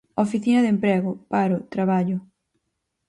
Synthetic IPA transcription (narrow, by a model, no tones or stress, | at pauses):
ofiθinɐðempɾeɣʊpaɾʊt̪ɾaβ̞aʎʊ